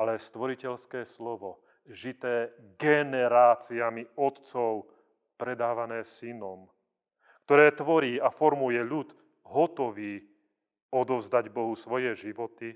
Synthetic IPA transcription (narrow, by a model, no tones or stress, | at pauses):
alɛst̪ʋɔɾicɛʎskɛːslɔʋɔ | ʒit̪ɛːɡɛnɛɾaːt͡siamiɔt̪t͡sɔʊ | pɾɛd̪aːʋanɛːsinɔm | kt̪ɔɾɛːt̪ʋɔɾiːafɔɾmujɛʎut̪ | ɦɔt̪ɔʋiː | ɔd̪ɔvzd̪aɟbɔɦusʋɔjɛʒiʋɔt̪i